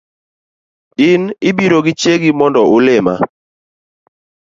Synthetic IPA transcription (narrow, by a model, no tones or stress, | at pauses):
ɪnɪbiɾoɡɪt͡ʃeɡimɔndɔʊlɪma̰